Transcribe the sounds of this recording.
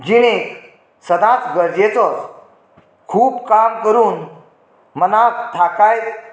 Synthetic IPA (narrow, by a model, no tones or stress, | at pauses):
d͡ʑiñek | səd̪ãt͡sɡəɾd͡ʑet͡sɔt͡s | kʰuːbkamkəɾuːn | mənat̪ʰakajt̪